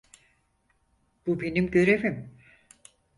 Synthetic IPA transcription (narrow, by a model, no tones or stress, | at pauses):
b̥ube̞nimɟøɾevim